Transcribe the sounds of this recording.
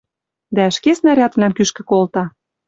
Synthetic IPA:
d̪æɘ̆ʃkesnæɾʲɑt̪vlæmkyʃkɘ̆kolt̪ɑ

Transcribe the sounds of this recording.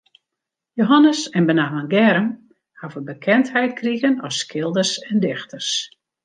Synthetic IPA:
joɦanəsɛnbənaɦənɡɛɾəm | havəbəkʰɛnthɛjt̚kʰriɣənɔsːkʰɪlˠdərsɛndɪxtʰərs

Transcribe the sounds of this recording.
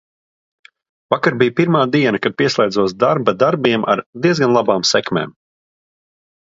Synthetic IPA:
vakaɾbijpiɾmaːd̪iɛnakad̪̚piɛslˠʲɛːd̪zuɔsd̪aɾbad̪aɾbiɛmʔa̰ɾd̪iɛzɡanlˠabaːmsɛkmḛːm

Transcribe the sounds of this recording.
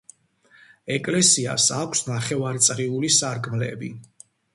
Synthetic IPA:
ɛkʼlɛsia̰sakʷʰsnaχɛvaɾit̪sʼʁiulisaɾkʼmlɛ̰bḭ

